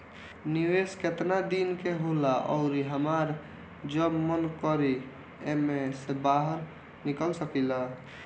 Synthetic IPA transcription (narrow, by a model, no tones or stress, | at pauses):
niwesket̪nad̪inkeɦolaʔɔ̰ʊɾiɦəmaɾ | d͡ʒəmːənkɔɾi | emesebaɦəɾ | nikəlsəkila